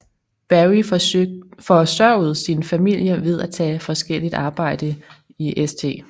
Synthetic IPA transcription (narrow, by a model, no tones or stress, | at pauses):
b̥æi | fɒ̽sɶɐʊð̩ˠsinfæmil̰jɐʋe̝ð̞ˠæt͡sʰɛ̰ːfɒ̽sɡ̥el̰id̥ɑ̈ːb̥ɑ̈ɪ̰d̥ə | iʔest͡sʰe̝̰ː